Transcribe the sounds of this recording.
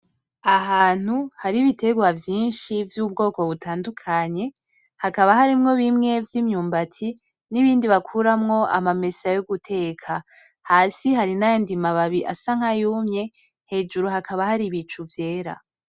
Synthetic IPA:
aɦaːn̥huhaɾiβite̞ɡwavjiːnʃivjuːb̚ɡo̞ːko̞βutaːndukʰaɲe̞ | hakaβahaɾimŋo̞βimŋe̞vjiːmɲuːmbatʰi | niβiːndiβakʰuɾamŋo̞ʔa̰mame̞sajoɡutʰe̞kʰa | haːsiɦaɾinajondimaβaβiʔa̰saŋ̥ajuːmɲe̞ | he̞ːd͡ʒuɾuhakʰaβahaɾiβit͡ʃuvje̞ːɾa̰

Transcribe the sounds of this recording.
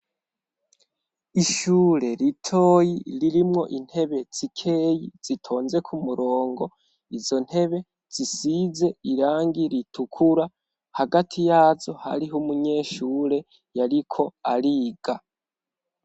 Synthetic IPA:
iʃuːɾe̞ɾitʰo̞ːjiɾiɾimŋo̞̰ʔin̥he̞βe̞z̥ikʰe̞jiz̥itʰo̞ːnze̞kʰumuɾo̞ːŋɡo̞ | izo̞n̥he̞βe̞ | z̥isize̞iɾaːŋɡiɾitʰukʰuɾa | haɡatʰijaːzo̞ha̰ɾiɦumuɲe̞ːʃuːɾe̞ | jaɾikʰo̞aɾiːɡ̥a

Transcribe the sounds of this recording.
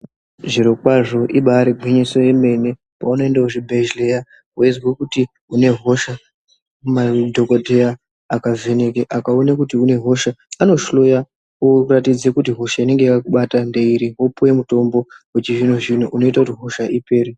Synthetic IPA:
ʐiɾokwaʐo̞ʔiɓaːɾiɡʱwiɲiso̞je̞me̞ne̞ | pauno̞endauibʱeʒleja | woezwekuti | une̞ɦo̞ʃa | madʱo̞kodʱejaː | kave̞ne̞keʔakaonakutiune̞ɦo̞ʃaːno̞ʃlo̞ja | oratid͡zekutiɦo̞ʃaine̞ŋɡeikakuɓatandeiɾiɦopuje̞muto̞mbo̞wet͡ʃiʐin̤oʐin̤oʔuno̞itakutiɦo̞ʃaʔipeːɾi

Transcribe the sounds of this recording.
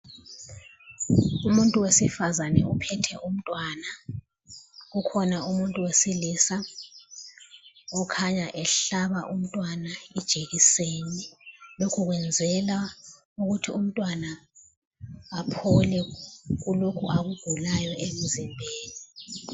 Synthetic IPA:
umuntʼuwesifazanɛupʰɛtʰɛʔum̩tʼwana | ɣukʰɔnaumuntʼuwesilisa | ɔkʰaɲaʔɛɬaβaʔum̩tʼwanaid̥ʒ̥ʱeɣiseːnilokʰuɣwɛnd͡zʱɛla | uɣutʰium̩tʼwana | pʰɔlɛɣulokʰuʔaɣuɡ̥ʱulajɔʔem̩zimbʱeːni

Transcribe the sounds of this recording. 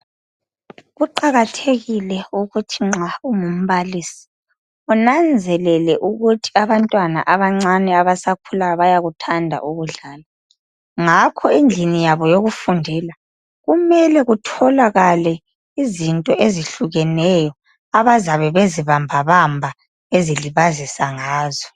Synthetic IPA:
ɣuǃaɣatʰeɣilɛuɣutʰiŋ͡ǁauŋum̩βalisi̥ | ɔnand͡zʱɛlɛlɛʔuɣutʰi̥aβantʼwana̰ʔaβaŋ͡ǀanɛaβasakʰulajɔβajaɣutʰandʱa̰ʔuɣuɮaːla | ŋakʰɔind͡ɮʱinijaβɔjoɣufundʱɛla | ɣumɛlɛɣutʰɔlaɣalɛ | izintʼɔʔeziɬuɣɛnɛjɔ | aβazaβɛβeziβambʱaβambʱa | eziliβazisaŋaːzɔ

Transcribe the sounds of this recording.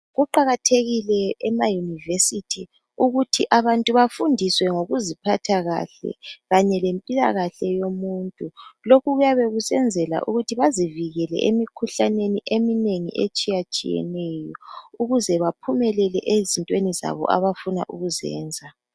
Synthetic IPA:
ɣuǃaɣatʰeɣilɛɛmajunivesitʰi | uɣutʰiʔaβantʼuβafundʱiswɛŋoɣuzipʰatʰaɣa̰ɬɛ̰ɣaɲɛlempʼila̰ɣaɬɛjomuːntʼulokuɣujaβeɣusɛnd͡zʱɛla̰ʔṵɣutʰiβaziviɣɛlɛ̰ʔemikʰuɬaneniʔemineŋḭʔḛt͡ʃʼijat͡ʃʼḭjɛ̰nɛjɔuɣuzɛβapʰumɛlɛlɛ̰ʔezintʼweniza̰βɔ̰ʔa̰βafuna̰ʔuɣuzɛ̰ːnd͡zʱa

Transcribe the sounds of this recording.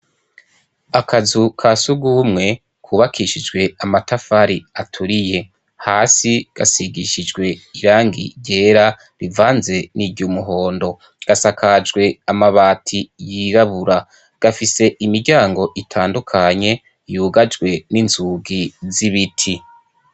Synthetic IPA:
akʰazukʰasuɡumŋe̞ | kʰuːβakʰiʃid͡ʒɡwe̞amatafaɾiatʰuɾije̞ | haːsiɡ̥a̰siɡiʃid͡ʒɡwe̞iɾaːŋɡḭɟe̞ːɾa | ɾivaːnze̞niɟumuɦo̞ːndo̞ | ɡ̥asakʰad͡ʒɡwe̞amaβaːtʰijiɾaβuɾa | ɡ̥afise̞ʔimiɾɟaːŋɡo̞ʔitʰaːndukʰaɲe̞ | juːɡad͡ʒɡwe̞ninzuɡiziβitʰi

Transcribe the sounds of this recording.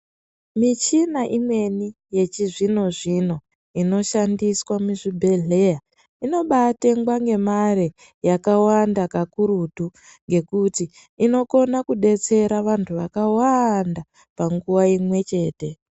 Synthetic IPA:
mit͡ʃinaʔimwe̞ni | je̞t͡ʃiʐino̞ʐino̞ | ino̞ʃandiswamuʐibʱe̞ɮe̞ja | ino̞ɓateŋɡwaŋɡe̞mare | jakawandakakuɾutu | ŋɡe̞kutiː | no̞ko̞nakuɗe̞t͡se̞ɾaʋantʰuʋakawanda | paŋɡuwaimwe̞t͡ʃe̞ːte̞

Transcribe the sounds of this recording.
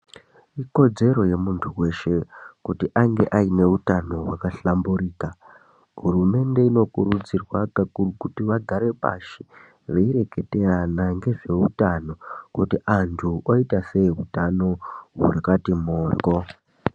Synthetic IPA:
iko̞d͡ze̞ɾo̞je̞muntʰuwe̞ʃe̞kutiʔaŋɡe̞ʔaine̞utano̞wakaɬambuɾiːka | ɦurume̞nde̞ino̞kuɾud͡zirwakaukutiʋaɡʱaɾe̞pa̰ʃi̥ | ʋeiɾe̞ke̞teranaŋɡe̞ʐe̞utano̞kutiʔantʰuʔoitase̞iɦutano̞ɦṵrakatimoːrko

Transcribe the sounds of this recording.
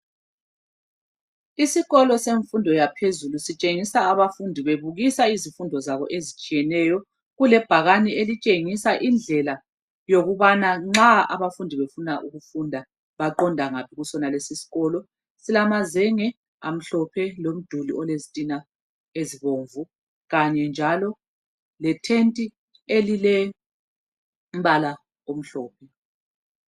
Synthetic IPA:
isiɣɔlɔseɱfundʱɔjapʰezulusit͡ʃʼeŋisaːβafundʱiβeβuɣisaizifundʱɔzaβɔ̰ʔezit͡ʃʼijɛnɛjɔ | ɣulɛb̥ʱaɣanielit͡ʃʼeŋisaʔind͡ɮʱɛla | joɣuβanaŋ͡ǁaa̰βafundʱiβefunaʔuɣufundʱa | βaǃɔndʱaŋapʰiɣusɔnalesisi̥ɣɔlɔ | silamazɛŋɛ | a̰m̩ɬɔpʰɛlom̩d̥ʱuliɔlezitʼina | eziβoːɱvu | ɣaɲɛnd͡ʒʱalɔ | lɛtʰentʼi | elilɛ | um̩βala | om̩ɬɔːpʰɛ

